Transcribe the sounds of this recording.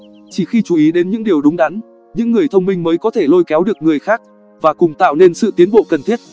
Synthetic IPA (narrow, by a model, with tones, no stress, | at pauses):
t͡ɕi˧˩xi˧t͡ɕu˨ʔi˨˦ɗe˨˦nɲɨ̰˧˥ŋɗi˨˩əwɗʊ˨˦ŋ͡mɗa˨˦n | ɲɨ̰˧˥ŋːɨ˨˩əjt̪ʰə˧wŋ͡mmï˧ŋ̟məː˨˦jkɔ˨˦t̪ʰe˧˩lo˧jkɛ˨˦wɗɨ˨˩ək̚ŋɨ˨˩əjxaː˦˥k̚ | vaː˨˩kʊ˨˩ŋ͡mt̪a̰ː˧˨wne˧nsɨ̰˧˨t̪i˨˦nɓo̰˧˨kə˨˩nt̪ʰi˦˥ət̚